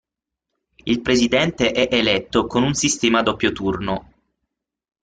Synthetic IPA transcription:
ilpɾezid̪ɛnt̪eʔɛʔelɛt̪ːokonunsist̪ɛːmad̪opːjot̪urno

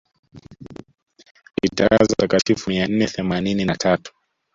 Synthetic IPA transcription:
ḭtaazatakatifumian̩nɛθɛmanininatʰatu̥

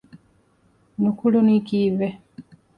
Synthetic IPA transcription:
nukulonikiːve

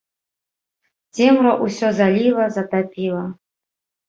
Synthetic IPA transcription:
zemraʔusʲɔzalʲilˠɐzat̪apʰʲilˠɐ

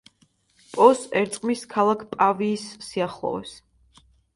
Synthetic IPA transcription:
pʼɔsɛɾt̪sʼqʼmiskʰalˠakʰpʼaviːsːiaχlˠɔ̰vɛ̰s

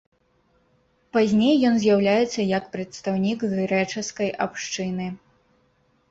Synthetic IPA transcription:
pazʲnʲejːɔnzʲjawlʲajɛt̪sːɐjɐkpɾɐt̪st̪awnʲikɣɾɛt͡ʂɐskɐjʔapʂt͡ʂɨnɨ

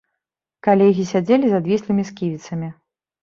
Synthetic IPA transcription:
kalʲɛɣʲisʲad͡zʲelʲizad̪vʲislʲˠɨmʲiskʲivʲit̪sɐmʲi

